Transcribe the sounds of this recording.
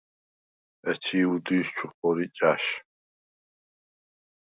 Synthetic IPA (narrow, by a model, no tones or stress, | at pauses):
ɛt̪ʰiːud̪iːst͡ʃʰuχɔɾit͡ʃʼaʃ